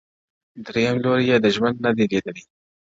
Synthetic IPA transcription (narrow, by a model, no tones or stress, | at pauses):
d̪ɾejamloɾijed̪əʒwand̪nad̪iled̪əli